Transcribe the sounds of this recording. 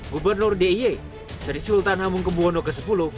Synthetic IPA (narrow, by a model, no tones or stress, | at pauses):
ɡubərnʊrdeie | səɾisiult̪anɦamuŋkəbuɔnokəsəpulu